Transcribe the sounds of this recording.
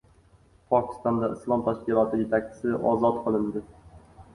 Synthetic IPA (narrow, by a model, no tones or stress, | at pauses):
pʰɒkʲɪ̥st̪ɒnd̪aɪslˠɒmt̪ʰaʃkʲɪlˠɒt̪ʰɪjet̪ʰakʲt͡ʃʰɪ̥sɪʔɒ̰zɒt̪qʰɨlˠɪnd̪ɪ